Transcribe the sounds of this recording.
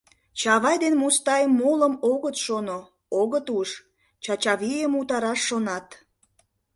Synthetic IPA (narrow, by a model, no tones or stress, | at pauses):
t͡ɕɑβɑjd̪enmust̪ɑjmːoləmoɣət̪ʃono | oɣət̪uʃ | t͡ɕɑt͡ɕɑβijəmut̪ɑɾɑʃːonɑt̪